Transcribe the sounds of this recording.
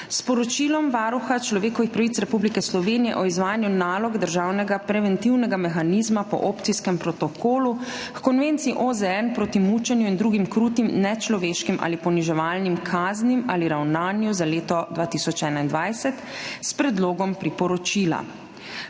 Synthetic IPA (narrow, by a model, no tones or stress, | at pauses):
spɔɾɔt͡ʃiːlɔmʋaːɾuxat͡ʃlɔʋeːkɔʋixpɾaʋit̪sɾɛpublikɛslɔʋeːnijɛ̰ʔɔizʋaːjnjunaːlɔɡd̪əɾʒaːwnɛɡapɾɛʋɛnt̪iwnɛɡamɛxanizmapɔ̰ʔoːpt̪sijskɛmpɾɔt̪ɔkʰoːlu | kkɔnʋeːnt̪siːʔozɛɛnpɾoːt̪imuːt͡ʃɛnjuind̪ɾuɡimkɾuːt̪imnɛt͡ʃlɔʋeːʃkimʔa̰ːlipɔniʒɛʋaːlnimkʰaːznimaːliɾawnaːnjuzaleːt̪ɔd̪ʋaːt̪isɔt͡ʃɛːnaind̪ʋajsɛt̪spɾɛd̪loːɡɔmpɾipɔɾɔt͡ʃiːla̰